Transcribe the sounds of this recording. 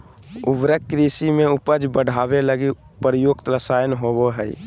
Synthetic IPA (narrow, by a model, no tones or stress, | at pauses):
ʊ̰bɾəkːɾiːsimẽʊpəd͡ʒbəɽʱaːʋeləɡi | pɾjoːkt̪ɾəsaːjənɦoboɦɛḭ